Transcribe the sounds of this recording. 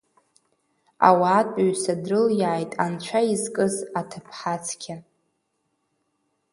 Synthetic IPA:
a̰waːtʼɥsadrɨljaːjtʼant͡ʃʷʰaizkʼɨzatʰɨpʰħat͡sʰkʲʰa

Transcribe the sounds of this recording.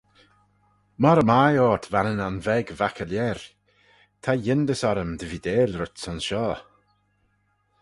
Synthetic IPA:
mɔɾəmajɔːt̪ʰvanənanvɛɡvakʰəljɛɾ | t̪ʰajɪnd̪əsɔɾəmd̪əvid̪eːlɾʊtsɔnsʃɔː

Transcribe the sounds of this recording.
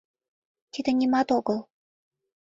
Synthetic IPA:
t̪id̪ə̆nʲimɑt̪oɣəl

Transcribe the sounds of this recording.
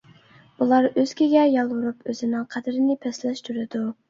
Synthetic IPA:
bulˠɑɾøz̥kʲiɡʲɛjɑlˠwʊɾupøzɪnɪŋqʰæd̪ɪɾɪnɪpʰɛslɛʃt̪ʰyɾɪd̪u

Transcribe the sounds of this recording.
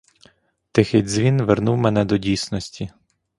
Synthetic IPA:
t̪ɪxɪdʲzʲʋʲinʋɛrnuwmɛnɛd̪ɔdʲijsnɔsʲtʲʰi

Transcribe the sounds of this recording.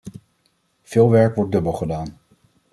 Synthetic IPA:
v̥ɪːlˠʋɛɹkʋɔɹt̚dɵbəlˠχədaːn

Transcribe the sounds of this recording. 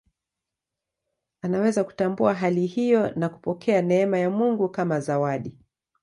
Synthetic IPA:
anawɛzaku̥tambuaɦalihijɔnaku̥pɔkʰɛanɛɛmajamuŋɡukamazawaɗi

